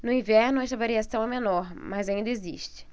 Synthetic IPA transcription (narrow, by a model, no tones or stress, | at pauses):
nʊĩvɛɾnʊɛʃt̪ɐvaɾiasɐ̃w̃ɛmenɔɾmazaĩnd̪ɐezḭʃt͡ʃɪ̥